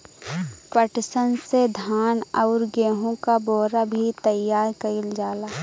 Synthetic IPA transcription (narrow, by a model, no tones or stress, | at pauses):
pəʈsənsed̪ʱaːnəʊɾɡeːɦõkabɔːɾabʱit̪əjaːɾkəɪld͡ʒaːlaː